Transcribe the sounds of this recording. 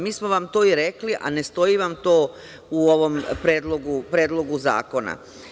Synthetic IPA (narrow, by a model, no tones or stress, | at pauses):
miːsmo̞ʋamt̪o̞ːiɾe̞kliʔa̰ne̞st̪o̞jiʋamt̪o̞ː | uoʋo̞mpɾeːd̪lˠo̞ɡupɾeːd̪lˠo̞ɡuza̰ːko̞na̰